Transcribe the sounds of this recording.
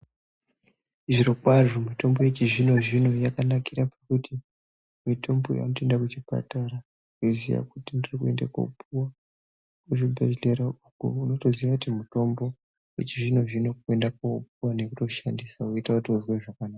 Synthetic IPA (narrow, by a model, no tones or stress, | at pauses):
iʐiɾokwaʐomito̞mbo̞je̞t͡ʃiʐino̞ʐino̞jakanakiɾapakuti | mitʰo̞mbo̞̰ja̰notendakut͡ʃipa̰taɾa | kuziʋa̰kutindirikue̞̰ndako̰puwa | kuʐibʱe̞̰ʒle̞ɾaukṵuno̞to̞ziʋakutimuto̞mbo̞ | jḛt͡ʃiʐino̞ʐino̞k̚ue̞ndak̚oup̚uwane̞kuto̞ʃandisauitakutiuzweʐakanaka